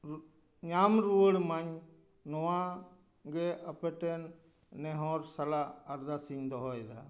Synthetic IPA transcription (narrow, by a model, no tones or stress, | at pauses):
ɲamɾuəɽmaɲ | nɔwã | ɡɛəpɛʈɛnː | ɛɦɔɾsɐlaːɾd̪asiŋd̪ɔɦɔɛd̪a